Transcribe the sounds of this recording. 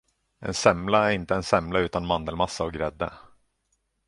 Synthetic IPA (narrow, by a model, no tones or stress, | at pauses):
ɛ̰nsɛmlaæɾɪnt̪əɛnsɛmlaʉ̟ːt̪anmand̪əlmasːaɔɡɾɛd̪ːə̰